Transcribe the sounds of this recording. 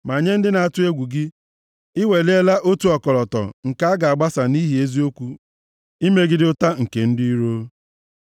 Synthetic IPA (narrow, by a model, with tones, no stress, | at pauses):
ma˨ɲe˦n̩˦dɪ˦na˨a˦˨tʊ˦e˦ɡʷu˨ɡɪ˦ | ɪ˦we˨le˦la˦ʔo˦tu˨˦ɔ˨kɔ˨ɾɔ˨tɔ̰˨ŋ̩˨ka˦a˦ɡa˨a˨ɡ͡ba˦sa˨ni˦ɦi˨˦e˦zi˦o˦kʷu˦ | i˦me˦ɡɪ˦dɪ˦ʊ˦ta˦ŋ̩˨ke˨n̩˦dɪ˦i˦ɾo˦